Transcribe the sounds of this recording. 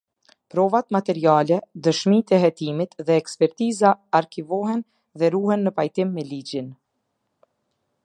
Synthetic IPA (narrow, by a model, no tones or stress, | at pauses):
pɾɔvat̪mat̪ɛɾialɛd̪əʃmit̪ɛɦɛt̪imit̪ðɛɛkspɛɾt̪izaaɾkivɔɦɛn | ðɛɾuhɛnːəpajt̪imːɛlid͡ʑin